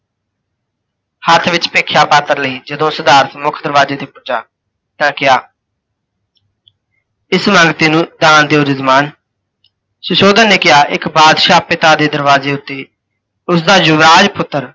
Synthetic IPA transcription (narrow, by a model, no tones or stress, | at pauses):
hət̪ʰʋɪt͡ʃpeːkʰjaːpaːt̪əɾləiːd͡ʒəd̪õːsəd̪aːɾt̪mʊkʰd̪əɾʋaːzeːt̪eːpʊd͡ʒaː | t̪ãːkɪjaː | ɪsmə̃ŋɡt̪iːnũːd̪aːnd̪eːoːd͡ʒɪzmaːn | sʊʃoːd̪ənːeːkɪjaːʔɪkbaːd̪ʃaːpɪt̪aːd̪eːd̪əɾʋaːzeːʊt̪ːeː | ʊsd̪aːd͡ʒʊʋɾaːd͡ʒpʊt̪ːəɾ